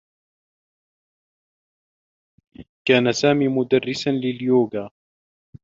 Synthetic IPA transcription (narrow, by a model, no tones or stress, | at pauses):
kaːnasaːmiːmʊd̪arːɪsanlɪljoːɡaː